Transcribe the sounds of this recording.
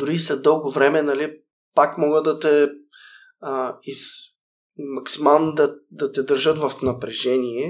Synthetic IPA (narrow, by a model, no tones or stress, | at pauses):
d̪ʊɾisɐd̪ɤlˠɡovɾɛmɛnɐli | pakmɔɡəd̪ɐt̪ɛ | iz | mɐksimalˠnd̪ɐd̪ɐt̪ɛd̪əɾʒɤt̪vɐfnɐpɾɛʒɛniɛ